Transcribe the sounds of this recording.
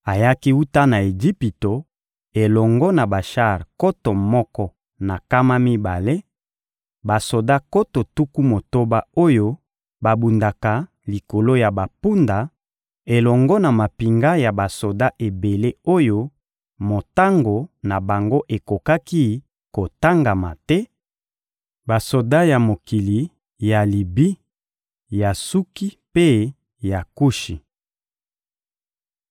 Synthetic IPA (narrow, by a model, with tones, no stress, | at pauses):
a˨ja˦ki˦u˦ta˦na˨e˨d͡ʒi˦pi˨to˨ | e˨lɔ˨ŋɡɔ˦na˨ba˨ʃa˦˨ʁko˦to˨mɔ˦kɔ˦ | na˨ka˦ma˦mi˦ba˨le˦ | ba˨so˨da˦ko˦to˨tu˦ku˦mo˨to˦ba˦o˦jo˦ | ba˨bu˨nda˨ka˨ | li˨ko˨lo˦ja˨ba˨pu˦nda˨ | e˨lɔ˨ŋɡɔ˦na˨ma˨pi˨ŋɡa˦ja˨ba˨so˨da˦ʔe˨be˨le˦o˦jo˦ | mo˨ta˦ŋɡo˨na˨ba˨ŋɡo˦ʔe˨ko˨ka˦ki˦ | ko˨ta˦ŋɡa˨ma̰˨tɛ˦ | ba˨so˨da˦ja˨mo˨ki˨li˨˦ | ja˨li˨bi˦ | ja˨su˦ki˦ | pe˦ | ja˨ku˦ʃi˨